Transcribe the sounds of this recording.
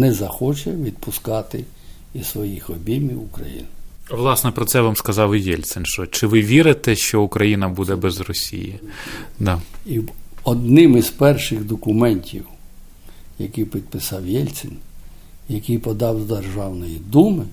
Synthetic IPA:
nɛzɐxɔt͡ʃɛʋʲid̪̚pʊskɑt̪ɪ | isʋɔjixɔbʲimʲiʊkɾɐ̰jḭnɪɐʋlˠɑsnɛpɾɔt̪sɛʋamskɐzɑwjɛlʲsɛnʃt͡ʃɔt͡ʃɪʋɪʋʲiɾɪt̪ɛʃt͡ʃɔʊkɾɐjinɐbud̪ɛbɛzrɔsʲḭjḭd̪ɑiɔd̪nɪmizpɛrʃɪɣd̪ɔkʊmɛnʲtʲḭw | jɐkijpʲid̪̚pɪsɑwjɛlʲt̪sɛn | jɐkijpɔd̪ɑwzd̪erʒɑwnɔjid̪umɪ

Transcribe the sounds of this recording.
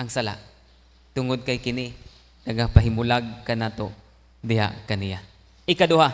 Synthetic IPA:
ʔɐŋsala̰ʔ | t̪ʊŋʊd̪̚kajkɪnɪ | nɐɡapaɦɪmʊlaɡ̚kanaːt̪o | d̪ɪɦa̰ʔkɐnɪja | ʔɪkad̪ʊha

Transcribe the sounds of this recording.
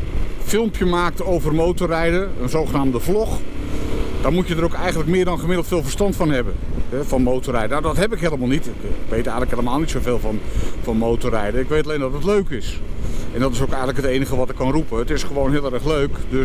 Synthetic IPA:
fɪlˠmpjəmaːk̚towvərmowtorɛjdəənzowχənaːmdəvlɔχ | d̥aːɹmutjədəɾowkɛjχəntlək̚mɪːɹdɑnχəmɪdlˠtfɪːlˠvəɹstɑntfɑnɦɛbənɛvɑnmowtorɛjdənawdɑtɦɛpɪkɦeləmaːlˠnitɪkkʋejtɛjχənləkɦeləmaːlˠnitsowveːlˠvɑnvɑnmowtoɾɛjdəɪkʋejtɑlejndɑtətløɥkɪsɛndɑtɪsowkɛjχənləkɦətejnəχəʋɑtɪkːɑnrupəətɪsχəʋownɦeːlˠɛɛχløɥkdø

